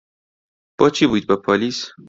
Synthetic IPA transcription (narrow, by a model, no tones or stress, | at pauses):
b̥ɒːt͡ʃʰibud̪̚bepʰɒliːs